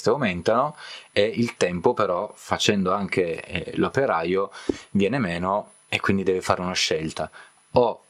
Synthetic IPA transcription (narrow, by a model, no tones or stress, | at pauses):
st̪eawmɛnt̪anoeilt̪ɛmpopeɾɔfat͡ʃɛnd̪oaŋk̟elopeɾaːjovjɛːnemeːno | ekːwind̪id̪ɛːvefaːɾeunaʃːɛlt̪a | o